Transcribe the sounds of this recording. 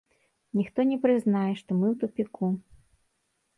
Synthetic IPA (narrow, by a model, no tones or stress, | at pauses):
nʲixt̪ɔnʲɛpɾɨznajɛʂt̪ɔmɨwt̪upʲiku